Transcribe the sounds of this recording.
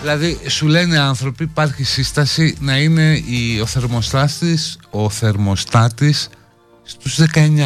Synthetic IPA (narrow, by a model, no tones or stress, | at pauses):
ðilɐðisule̞neiɐnθɾo̞piːpɐɾçisist̪ɐsinɐine̞io̞θe̞ɾmo̞st̪ɐst̪iso̞θe̞ɾmo̞st̪ɐt̪isː | t̪uzðe̞kɐeɲɐ